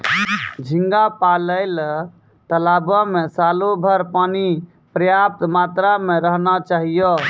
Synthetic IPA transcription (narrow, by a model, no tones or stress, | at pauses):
d͡ʒʱĩŋɡapaləɪl | t̪əlabamesalobʱəɾpani | pɾəjap̚t̪mat̪ɾameɾəɦnat͡ʃaɦijo